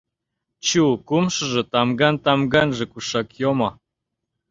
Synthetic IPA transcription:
t͡ɕukumʃɤ̆ʒĕt̪ɑmɡɑnt̪ɑmɡɑnʒĕkuʃɑkjomɑ

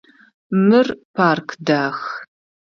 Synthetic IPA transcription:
mɨrpʰaːrkʰdaːx

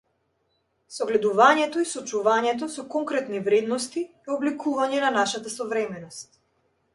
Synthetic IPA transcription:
sɔɡlɛd̪uvaɲɛt̪ɔisɔt͡ʃuvaɲɛt̪̬ɔsɔkɔŋkɾɛt̪nivɾɛd̪nɔst̪i | ɛɔblɛkʰuvaɲɛnanaʃat̪asɔvɾɛmɛnɔst̪̚

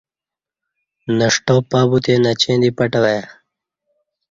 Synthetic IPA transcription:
nɐʂʈoːpaːbut̪enɐt͡ɕẽnd̪ipɐʈɐwaja

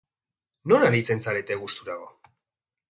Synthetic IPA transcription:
no̞naɾit͡se̞nsaɾe̞t̪e̞ɣust̪uɾaɣo̞

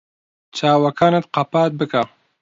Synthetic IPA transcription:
t͡ʃʰaːwɐkʰaːnɐt̪qɑpaːt̪̚bɨka

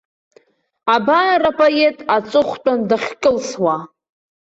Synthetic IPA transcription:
abaarapʼoetʼat͡sʷʼɨχʷtʼandaχʲkʼɨlswa

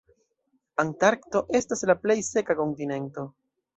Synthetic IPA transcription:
antaɾkto̞ʔe̞staslaple̞jse̞kako̞ntine̞nto̞

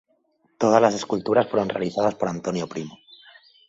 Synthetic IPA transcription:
t̪o̞ð̞azlase̞skult̪uɾasfweɾo̞nre̞aliθað̞aspo̞ɾant̪o̞njo̞pɾimo

